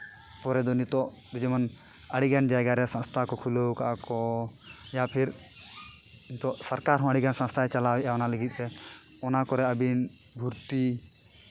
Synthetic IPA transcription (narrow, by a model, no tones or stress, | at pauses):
pɔɾɛd̪ɔnit̪ɔ | d̪ud͡ʒɔmən | əɽiɡand͡ʒajɡaɾɛsə̃nst̪ʰakɔkʰulowka̰ʔkɔ | japʰiɾ | int̪ɔsəɾkaɾɦɔ̃əɽiɡansə̃nst̪ʰaɛt͡ʃalawɛʔaɔnaləɡit̪̚lɛ | ɔnakɔɾɛəbin | bʱuɾt̪i